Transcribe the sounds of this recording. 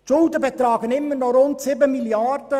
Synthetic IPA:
t͡ʃʊldəbɛt̪ɾɑːɡənɪmːənɔɾʊntsɪbəmiljaɾdə

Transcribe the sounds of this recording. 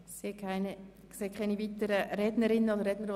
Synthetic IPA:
seːkʰaɪn | kseːkʰaniviːt̪əɾəɾɛdnəɾɪnːəod̪əɾːɛdnəɾo

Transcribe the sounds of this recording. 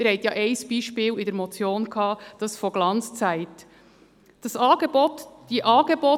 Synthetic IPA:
ɾhɛɪtjɑːʔeɪsb̥iːʃpiːlɪdɛɾmot͡sjoːnkʰɑːd̥ɑsfoɡ̥lɑnt͡st͡sæɪt | d̥ɑsɑːɡ̥ebotd̥iʔɑːɡeboː

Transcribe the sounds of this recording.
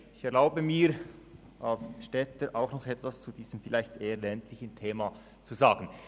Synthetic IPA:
ɪçɛɐlaʊbəmiːɾ | ʔalsʃtɛtəɾʔaʊxnɔχɛtvast͡sudiːz̥əmfɪlaɪçtʔeːəlɛntʰlɪçən̩tʰeːma | t͡suzaːɡən̩

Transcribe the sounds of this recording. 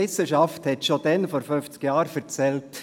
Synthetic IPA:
ɪsəʃɑfthɛtʃodɛnfoːɾfønft͡skjɑːɾfɛɾt͡sɛlt

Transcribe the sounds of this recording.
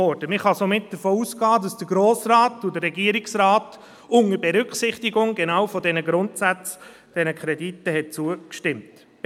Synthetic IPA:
ɔɾd̥əmɪχhɑsomɪt̚d̥əɾfoːusɡɑːdɑsd̥əɾɡɾoːsrɑːtʊdəɾːɛɡiːəɾiksɾɑːt | ʊŋəɾbɛɾʏkχsɪχtiɡʊŋɡɛnɑːwfɔdɛnəɡɾʊntsæt͡s | d̥ɛnəkʰχɾɛditːəhɛt̚t͡suəkʃtɪmt

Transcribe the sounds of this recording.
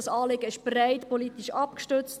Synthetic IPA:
ɑsɑːlɪɡəɪʃb̥raɪt̪poliːt̪iʃɑpkʃtʏt͡st

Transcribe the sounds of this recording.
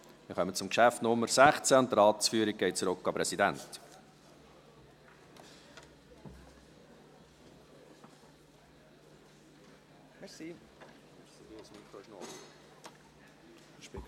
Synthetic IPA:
mɪχœmət͡sʊmkʃæftnʊmːəɾsæχt͡sæʊnt̪əɾɑːtsfyːəɾik̚ɡ̥ɛɪt͡suɾʊkːɑpɾɛsidænt | msi

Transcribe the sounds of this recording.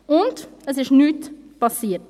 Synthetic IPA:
ʊndəsɪʃnyːtpɑsiːət

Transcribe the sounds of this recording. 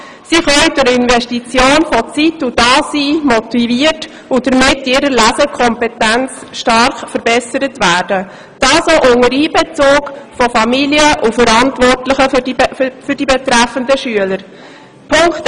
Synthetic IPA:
siχœidʊɾɪnvɛʃtit͡sjoːnfɔt͡situd̥ɑːsiːmɔtiviəɾt | ʊd̥əɾmɪtɪːɾəɾlæsəkʰɔmpɛtænt͡sʃtɑɾχfəɾbɛsəɾətvæːɾd̥ə | d̥ɑːsɔʔʊŋəɾiːbɛt͡soːkfɔfɑmiliəʔufəɾɑntʋɔrtləχə | fʏɾdibɛtɾæfəndəʃyələɾ | pʰʊŋkt

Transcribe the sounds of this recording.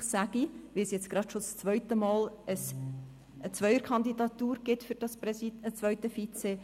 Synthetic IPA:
sæɡiʋisjɛt͡sɡ̥ɾɑd̥ʃost͡svœʏtəmɑːləs | ət͡svœʏəɾkʰɑnd̪idɑt̪uːɾɡ̥ɪtfyɾd̥ɑspɛiət͡sʋœʏtəfiːt͡seː

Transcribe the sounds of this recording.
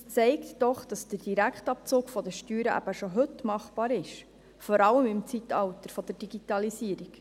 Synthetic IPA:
st͡sɛɪktd̥ɔχd̥ɑsd̥əd̥iɾækχtɑp̚t͡soːkfɔd̪əʃtyːɾəʔæ̰b̥əʃɔɦɵtmɑχb̥ɑːɾɪʃ | fɔɾɑləmɪmt͡sit̪ɑwtəɾfɔd̥̪əɾd̥iɡitɑlisiəɾik

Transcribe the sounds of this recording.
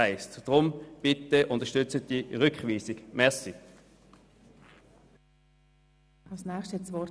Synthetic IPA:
aɪstd̥ʁʊmb̥ɪt̪əʔʊntəʃtʏt͡sət̚diʁʏkχviːsɪɡmɛɐsi | ɑlsnɛːχʃtɛt͡sʋɔ

